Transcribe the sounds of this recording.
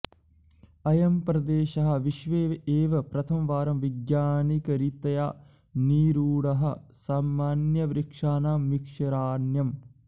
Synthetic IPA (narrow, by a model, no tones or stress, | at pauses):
ɐjɐmpɾɐd̪eːʃɐɦɐ̆ʋiʃʋeːeːʋɐpɾɐt̪ʰɐmʋaːɾɐmʋiɡjaːnikɐɾit̪ɐja̰ː | niːɾuːɽɐɦɐ̆saːmːaːnjɐʋɾikʂaːnaːmmːikʂɐɾaːnjɐm